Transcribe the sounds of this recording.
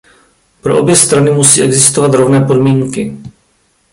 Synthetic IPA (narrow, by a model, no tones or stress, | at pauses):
pɾo̞ʔo̞bjɛst̪ɾanɪmusiːʔɛɡzɪst̪o̞vat̪ɾo̞vnɛːpo̞dmiːŋkɪ